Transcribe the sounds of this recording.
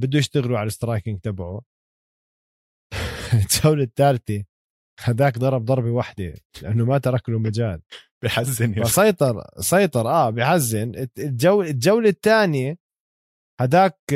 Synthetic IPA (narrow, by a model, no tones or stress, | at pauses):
bɪd̪ːujɪʃt̪aɣluʕalɪst̪ɾˤɑːkɪŋɡ̚t̪abaʕu | ɪld͡ʒawlat̪ːaːlt̪i | had̪aːkd̪ˤɑɾˤɑb̚d̪ˤɑɾˤbiwaħd̪ḭlɪʔanːʊmat̪ɑɾˤɑklumad͡ʒaːlb̥ɪħazːɪnfasˤɑjt̪ˤɑɾˤsˤɑjt̪ˤɑɾˤʔaːbɪjħazːɪnɪɪld͡ʒawlɪld͡ʒawlat̪ːaːnja | had̪aːk̚